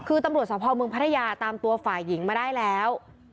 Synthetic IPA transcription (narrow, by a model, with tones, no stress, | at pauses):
kʰɯː˧t̪a˧mɾu˨˩t̪̚sɔː˩˦pʰɔː˧mɯ˧əŋpʰa˦˥t̪ʰjaː˧t̪aː˧mt̪u˧ɐfaː˨˩jːi˩˦ŋmaː˧daː˥˩jlɛː˦˥w